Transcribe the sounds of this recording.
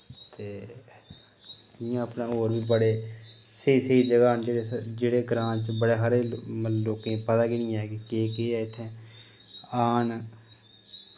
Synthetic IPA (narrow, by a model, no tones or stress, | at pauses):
t̪eː | ɪjãːəpnaːoːɾbiːbəɽeːsəiːsəiːd͡ʒəɡaːnd͡ʒeːɽeːd͡ʒeːɽeːɡɾãːnt͡ʃbəɽeːɦaɾeːloːkẽːpət̪aːkinĩːɛ̃kekeːkeːɛːɪt̪ʰːẽː | aːn